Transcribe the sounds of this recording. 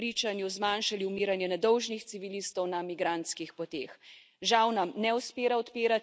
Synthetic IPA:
ɾiːt͡ʃanjuzmaːnʃaliumiːɾanjɛnɛd̪ɔwʒnixt̪siʋiliːst̪ɔwnamiɡɾaːnt̪skixpɔt̪eːx | ʒawnamnɛuspeːɾaɔt̪piːɾat̪

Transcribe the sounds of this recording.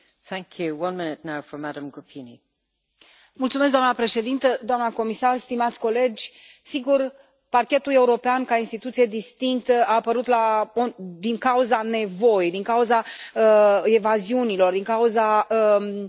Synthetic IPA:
θæ̃ŋkʰjʉwʌ̃nmɪ̃nɪtⁿnaʊfə˞maɾə̃mɡɹəpʰĩni | mult̪sumes̬d̪oamnəpɾe̞ʃe̞d̪int̪əd̪oamnəko̞misarst̪imat̪sʲko̞le̞d͡ʒʲsiɡur | parkʲe̞t̪ule̞uɾo̞peankainst̪it̪ut̪sijed̪ist̪iŋk̚t̪əaːpəɾut̪laod̪iŋkauzane̞vo̞jd̪iŋkauzaəevaziunilo̞rd̪iŋkauzaə

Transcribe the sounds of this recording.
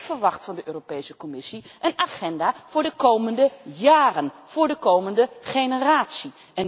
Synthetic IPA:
fəɹʋɑχtfɑndəʔøːropejsəkɔmɪsiʔənaχɛndaːv̥ʊːɹdəkowməndəjaːrənv̥ʊːɹdəkowməndəχejnəraːtsi | ɛn

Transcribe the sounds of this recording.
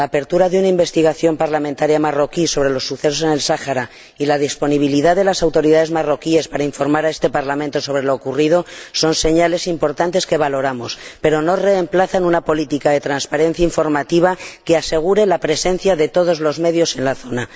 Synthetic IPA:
laːpe̞ɾt̪uɾaðeunaimbe̞st̪iɣ̞aθjo̞mpaɾlamẽnt̪aɾjamaro̞kiso̞β̞ɾe̞lo̞sːuθe̞sose̞ne̞lsaxaɾa | ilað̞ispo̞niβ̞iliðaððelasawt̪o̞ɾiðaðe̞zmaro̞kie̞spaɾaiɱfo̞ɾmaɾae̞st̪e̞paɾlament̪o̞so̞βɾe̞lo̞ːkurið̞o̞so̞nse̞ɲale̞simpo̞ɾt̪ant̪e̞ske̞β̞alo̞ɾamo̞spe̞ɾo̞no̞re̞ːmplaθanunapo̞lit̪ikaðe̞t̪ɾanspaɾe̞n̟θjaiɱfo̞ɾmat̪iβake̞ase̞ɣ̞uɾe̞lapɾe̞se̞n̟θjaðe̞t̪o̞ð̞o̞zlo̞zme̞ðjo̞se̞nlaθo̞na

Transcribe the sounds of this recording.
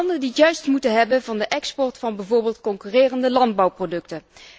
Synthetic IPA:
ndəndiətjœɥstmutənɦɛbənvɑndəʔɛkspɔɹtfɑnbɛjvoːɹbeːlˠtkɔŋkyːreːrəndəlɑndbɑwprodɵktən

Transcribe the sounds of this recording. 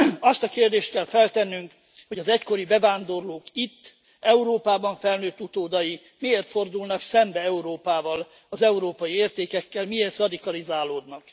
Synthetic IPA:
ɒst̪ɒkeːrd̪eːʃt̪kɛlfɛlt̪ɛnːyŋk | ho̞ɟɒzɛcko̞ɾibɛvaːnd̪o̞rloːkit̪ː | ʔɛuɾoːpaːbɒɱfɛlnøːt̪ːut̪oːd̪ɒji | mieːrt̪fo̞rd̪ulnɒksɛmbɛɛuɾoːpaːvɒl | ɒzɛuɾoːpɒjieːrt̪eːkɛkːɛlmieːrt̪rɒd̪ikɒlizaːloːd̪nɒk

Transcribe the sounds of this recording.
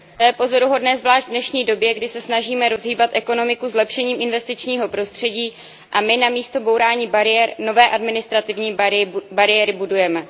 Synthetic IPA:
t̪jɛpo̞zo̞ɾuɦo̞dnɛːzvlaːʒdvdnɛʃɲiːdo̞bjɛɡdɪsɛsnaʒiːmɛɾo̞zɦiːbat̪ʔɛko̞no̞mɪkuzlɛpʃɛɲiːmʔɪnvɛst̪ɪt͡ʃɲiːɦo̞pɾo̞st̪r̝̥ɛɟiː | ʔamɪnamiːst̪o̞bo̞wɾaːɲiːbaɾɪɛɾno̞vɛːʔadmɪnɪst̪ɾat̪ɪvɲiːbaɾɪjɛɾɪbudujɛmɛ

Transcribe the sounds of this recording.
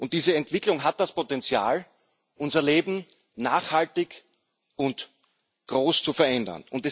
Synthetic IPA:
ʔʊnt̚d̥iːzəɛntv̥ɪklʊŋɦat̚d̥aspʰotɛnt͡sja̰ːl | ʔʊnzɐleːbm̩ | naːχhaltɪk | ʊnt | ɡ̥ʁoːst͡sufɛɐʔɛndɐ̰nʊntɛ

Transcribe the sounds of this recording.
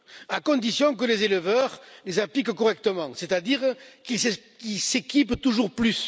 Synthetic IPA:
akɔ̃d̪isjɔ̃k̬əlezeləvœʁlezaplikkɔʁɛk̚t̪əmɑ̃set̪ad̪iʁkilskilsekipt̪uʒuʁplys

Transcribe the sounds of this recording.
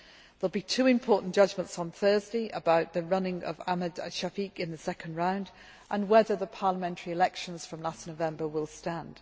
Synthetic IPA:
ðəlˠbitʰʉːɪ̃mpʰɔˑʔn̩d̥ʒ̥ʌd͡ʒmə̃ntsn̩θɜːzdeɪʔə̰baʊʔðəɹʌnɪ̃ŋə̰vamədə̰ʃafikɪ̃nðəsɛkə̃ndɹãʊ̃nd | ʔə̃nwɛðəðəpʰɑːləmɛ̃ntʰəɹiɪlɛkʃə̃nz̥fɹə̃mlasnoʊvɛ̃mbəwɪlˠstãnd̥

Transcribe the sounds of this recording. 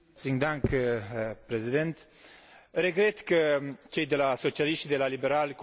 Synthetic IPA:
t̪siŋd̪aŋk | pɾe̞zid̪ent̪ | re̞ɡɾe̞t̪kət͡ʃe̞jd̪e̞laso̞t͡ʃialiʃt̪ʲd̪e̞lalibe̞ɾalk

